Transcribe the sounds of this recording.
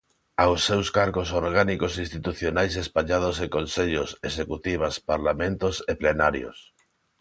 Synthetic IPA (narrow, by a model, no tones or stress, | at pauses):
awsːewskaɾɣosoɾɣanikosinst̪it̪uθjonajs̬espaʎað̞osekonseʎʊsesekut̪iβaspaɾlamẽnt̪oseplenaɾjo̰s